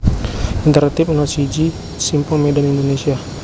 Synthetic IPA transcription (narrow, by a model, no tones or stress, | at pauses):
int̪əɾat̪ipnɔsid͡ʒi | simpɔmedanindonesia